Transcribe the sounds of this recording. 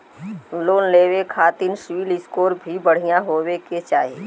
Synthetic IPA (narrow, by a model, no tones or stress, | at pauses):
loːnleːʋekʰaːt̪ɪnʃwiːlɪskoːɾbʱibəɽ̤ijãɦoːweket͡ʃaːɦe